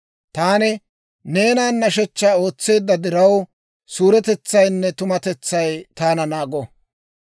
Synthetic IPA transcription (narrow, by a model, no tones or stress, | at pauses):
t̪aːnɛ | ne̞ːnaːnːɐʃɛt͡ʃːaːo̞ːt͡sːe̞ːd̪ːɐd̪ɪɾɐw | suːɾɛt̪ɛt͡sːɐjnːɛt̪ʊmɐt̪ɛt͡sːɐjt̪aːnɐnaːɡɔ